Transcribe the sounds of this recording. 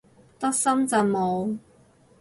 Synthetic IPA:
t̪ɐ˥k̚sɐ˥mt͡sɐ˨˩wmo˨˧w

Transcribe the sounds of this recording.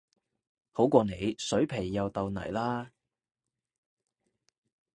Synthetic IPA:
ho˨˥wkʷɔː˧ne˨˧jsɵ˨˥ɥpʰe˨˩jːɐ˨˧wt̪ɐ˨˧wnɐ̰˨˩jlaː˥

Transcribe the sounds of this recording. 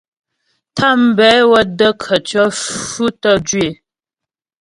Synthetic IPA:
tʰa˦˨m̩˦˨bɛ˨˦wə˦də˦kʰə˨t͡ʃɔ˦fʉ˦tə˦d͡ʒɥe˨

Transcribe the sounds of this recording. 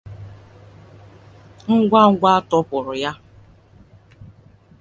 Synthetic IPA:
ŋ̩˦ɡʷa˦ŋ̩˦ɡʷa˦a˦tʊ˦pʊ˨ɾʊ˨ja˦

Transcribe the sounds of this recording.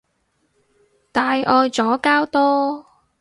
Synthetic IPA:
t̪aː˨jɔː˧jt͡sɔː˨˥kaː˥wt̪ɔː˥

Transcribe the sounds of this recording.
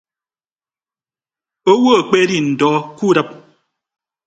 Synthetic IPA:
o˦wo˦˨k͡pe˦di˦˨n̩˨dɔː˨˦ku˦˨da˦˨p̚

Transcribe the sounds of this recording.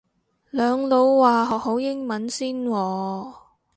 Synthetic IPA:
lœː˨˧ŋlo˨˧wːaː˨ɦɔː˨k̚ho˨˥wjɪ˥ŋmɐ˨˥nsiː˥nwɔː˧

